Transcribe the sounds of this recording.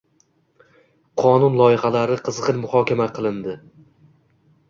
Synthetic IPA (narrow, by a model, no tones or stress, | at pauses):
qʰɒnʊnlˠɒjɪhalaɾɪqʰɨzʁɨnmʊhɒkʲʰamaqʰɨlˠɪnd̪ɪ